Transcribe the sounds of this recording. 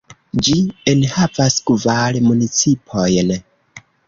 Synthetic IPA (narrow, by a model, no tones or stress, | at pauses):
d͡ʒienhavaskvalmunit͡sipʰojn